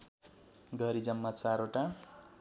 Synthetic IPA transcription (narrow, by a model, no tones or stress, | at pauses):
ɡʱʌɾid͡zʌmːat͡saɾoʈa